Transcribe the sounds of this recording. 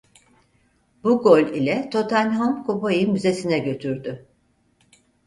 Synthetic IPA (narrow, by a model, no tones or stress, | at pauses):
buɡolʲilʲɛt̪ʰo̞t̪ʰanʲɦomkʰopojɯmyze̞sinɛɟø̞t̪ʰyɾd̪y